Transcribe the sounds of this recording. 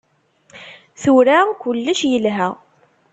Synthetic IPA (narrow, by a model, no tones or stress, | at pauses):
θuɾækʊlːəʃjəlɦæ